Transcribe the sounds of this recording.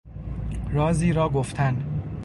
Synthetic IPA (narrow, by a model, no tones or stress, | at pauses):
ɾɒːziːɾɒːɡoft̪ʰæn